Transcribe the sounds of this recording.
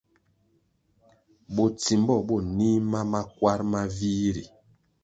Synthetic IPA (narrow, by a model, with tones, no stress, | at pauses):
bo˨ti˨mbɔ˦˨bo˦˨ni˦ma˦ma˦kwa˦ɾma˦vi˦ɾḭ˨